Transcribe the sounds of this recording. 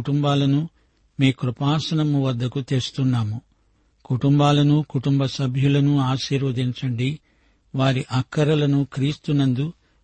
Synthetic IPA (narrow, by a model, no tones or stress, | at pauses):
ʈumbaːlɐnu | meːkɾupaːsɐɳɐmːuʋɐd̪ːɐkut̪eːst̪unːaːmu | kuʈumbaːlɐnukuʈumbɐsɐbʱjulɐnuaːʃiːɾʋɐd̪iɲt͡ʃɐɳɖi | ʋaːɾiʔɐkːɐɾɐlɐnukɾiːst̪unɐnd̪u